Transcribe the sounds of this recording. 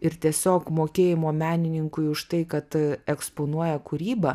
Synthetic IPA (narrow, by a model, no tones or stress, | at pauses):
ɪɾt̪ʲiɛsʲoːkmoːkʲeːjɪmoːmʲæːnʲɪnʲɪŋkʊɪʊʃt̪ɐɪkɐt̪ɛkspoːnuɔjɛkuɾʲiːbɐ